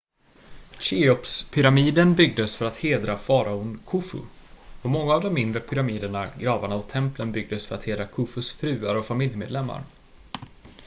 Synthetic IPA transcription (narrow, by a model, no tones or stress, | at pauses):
ɕɪɔpspʰʏɾamiːd̪ənbʏɡ̚d̪əsfœɾat̪heːd̪ɾafɑːɾaʊnkʰʊfɵ̰ɔmɔŋːaːvd̪ɔmːɪnd̪ɾəpʰʏɾamiːd̪əɳaɡɾɑːvaɳaɔt̪ʰːɛmplənbʏɡ̚d̪əsfœɾat̪heːd̪ɾakʰʊfɵsfɾʉ̟ːaɾɔfamɪljmeːd̪lɛmːa̰ɾ